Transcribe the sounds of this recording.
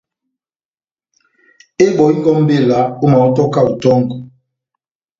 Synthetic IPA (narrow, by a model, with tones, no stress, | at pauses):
e˦ɓɔ˨i˦ŋɡɔ˦m̩˦be˦˨la˨˦o˦ma˨u˦tɔ˦ka˦u˨tɔ˦ŋ˨ɡɔ˨